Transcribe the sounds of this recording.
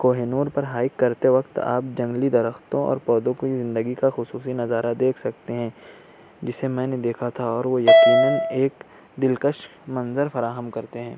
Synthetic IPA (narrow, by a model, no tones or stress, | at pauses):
koːɦenuːɾpɐɾɦaːɪkːɐɾt̪eʋɐkt̪a̰ːp̚d͡ʒɐ̃ŋɡlid̪ɐɾəxt̪õɔ̰ːɾpɔːd̪õkizɪ̃nd̪əɡikaxʊsuːsinɐzaːɾad̪eːkʰsɐkt̪eɦɛ̃ː | d͡ʒɪsemɛ̃ːned̪eːkʰat̪ʰaɔːɾʋojɐkiːnəneːk | d̪ɪlkəʃmɐ̃nzəɾfɐɾaːɦəmkɐɾt̪eɦɛ̃ː